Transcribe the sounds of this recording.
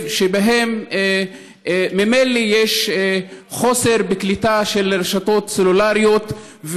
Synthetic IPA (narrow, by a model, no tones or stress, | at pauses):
ʃebaɦem | memelijeʃ | χo̞se̞ʁbeklit̪aʃeleɾeʃato̞t̪selulaʁijo̞t̪ | v